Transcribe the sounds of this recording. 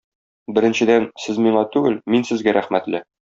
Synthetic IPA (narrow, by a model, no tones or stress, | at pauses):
bɘ̆ɾɘ̆nɕɘ̆d̪ænsɘzmiɴɑt̪ʉɡɘlminsɘ̆zɡæɾæχmæt̪lɘ